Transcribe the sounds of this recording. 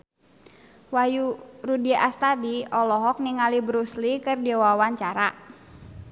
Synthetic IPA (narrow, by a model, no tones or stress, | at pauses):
wajuɾudiaʔast̪adiɔlɔɦɔk̚niŋalibɾuslikərdɛwawaɲt͡ʃaɾa